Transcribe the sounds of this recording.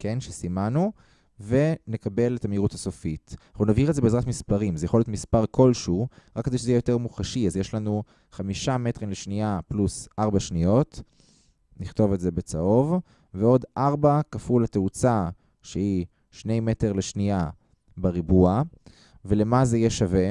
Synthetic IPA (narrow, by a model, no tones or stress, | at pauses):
kenʃesimanu | ve̞ne̞kabe̞letameiʁuthaso̞fitχunavhiʁelzebeːzʁatmispaʁimzejaχoljotmispaʁko̞lʃuʁakːedeʃezeijejo̞te̞ʁmuχaʃiazjeʃlanu | χamiʃametʁimleʃniaplusʔaʁbaʃnijo̞t | niχto̞vetzebet͡saʔo̞v | veo̞dʔaʁbakafulateut͡sa | ʃehi | ʃne̞jme̞teʁleʃnia | beʁibua | ve̞le̞mazeijeʃave̞